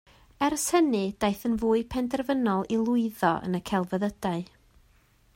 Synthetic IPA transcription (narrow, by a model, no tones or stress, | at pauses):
ɛrshənɨd̥ajθənvuːɨpʰɛndɛrvənɔlˠilˠʊɨðɔʔə̰nəkʰɛlˠvəðəd̥aɨ